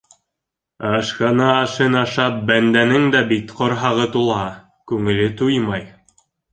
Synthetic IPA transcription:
ɑʃkɑnɑːʃɤnɑʃɑp̚bænd̪ænɘŋd̪æbit̪qŏɾɦɑʁɤt̪ulˠɦɑ | kʉŋɘ̆lɘt̪ujmɑj

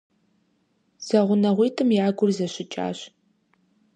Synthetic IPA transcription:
z̥ɐʁʷʊnɐʁʷiːtʰɨmjaːɡʷʊrzɐɕɪt͡ʃʼa̰ːɕ

